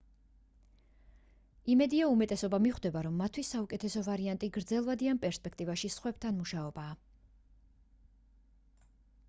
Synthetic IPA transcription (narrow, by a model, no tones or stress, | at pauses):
imɛd̪iaumɛt̪ʼɛsɔbamiχd̪ɛbaɾɔmːat̪ʰwisːaukʼɛt̪ʰɛsɔvaɾiant̪ʼiɡɾd̪zɛlˠvad̪ianpʼɛɾspʼɛkʰt̪ʼivaʃisχwɛb̚t̪ʰanmuʃaɔbaː